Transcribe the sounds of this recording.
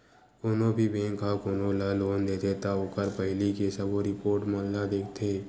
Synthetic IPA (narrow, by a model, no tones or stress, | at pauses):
konõbʱibẽːŋkakoːnolaloːnd̪eːt̪ʰet̪aʊkəɾpəɦɪlikesəboɾɪpoːɾʈmə̃ːllad̪eːkʰt̪ʰeː